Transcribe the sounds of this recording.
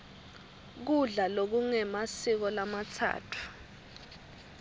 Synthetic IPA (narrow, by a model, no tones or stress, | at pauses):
k̬uɮalok̬uŋɛmasik̬ɔlamatʰa̰ːtʰu̥